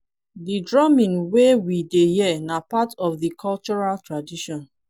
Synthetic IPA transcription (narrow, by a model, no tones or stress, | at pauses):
didɹɔmĩnwewidejɛnapatɔfðikʰɔlt͡ʃɔɹaltɹadiʃɔ̃n